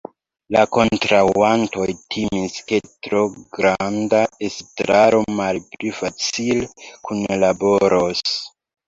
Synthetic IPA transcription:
lako̞ntɾawanto̞jtʰimiske̞tɾo̞ɡɾandaestɾaɾo̞malplifat͡silekʰunlabo̞ɾos

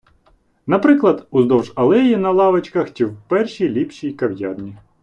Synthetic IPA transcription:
nɐpɾɪklˠɐd̪uzd̪ɔwʒɐlˠɛjinɐlˠɑʋɐt͡ʃkɐxt͡ʃiwpɛrʃʲijlʲipʃʲijkɐwjɑ̰rnʲi

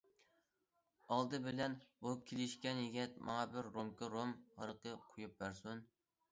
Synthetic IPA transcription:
ɑlˠd̪ɨbɪlɛnbukʲʰelɪʃkʲɛnjeɡʲɛt̪̚mɑ̰ŋɑbɪɾːomkɨɾomhɑ̰ɾqʰəqʰojup̚bæɾsun

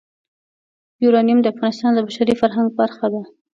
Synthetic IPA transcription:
juɾɑnijumd̪əafɣɑnɪst̪ɑnd̪əbaʃaɾifaɾɦaŋɡ̚baɾxad̪a

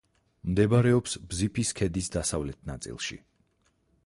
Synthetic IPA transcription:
md̪ɛbaɾɛɔpsbzipʰiskʰɛd̪isd̪asavlɛt̪̚ʰna̰t̪sʼḭlˠʃḭ

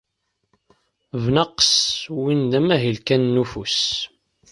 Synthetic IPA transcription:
vnɑqswind̪æmæɦilkænːufus

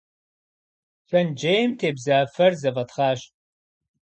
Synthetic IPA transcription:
ɕɐnd͡ʒejmtʰeːbzaːfɐrzɐvɐtχaːʃ

